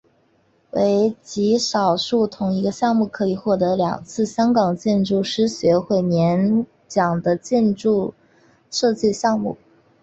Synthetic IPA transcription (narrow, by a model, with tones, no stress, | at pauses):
we˧˥ɪt͡ɕi˧˥ʂɑ˨˩ʊʂu˥˩t̪ʰʊ˧˥ŋi˧˥ɡə˧ɕjɑ˥˧ŋmu˥˩kʰɤ˧˥i˨˩xwɔ˥˩t̪ɤ˧˥ljɑ̰˨˩ŋt͡sʰɹ̩˥˩ɕjɑ˥ŋkɑ˨˩ŋt͡ɕjɛ˥˧nʈ͡ʂu˥˩ʂɻ̩˥ɕɥɛ˧˥xwe˥˩ɪmjɛ˧˥n | t͡ɕjɑ˨˩ŋd̪ə˦t͡ɕjɛ˥˧nʈ͡ʂu˥˧ | ʂɤ˥˧t͡ɕi˥˧ɕjɑ˥˧ŋmṵ˥˩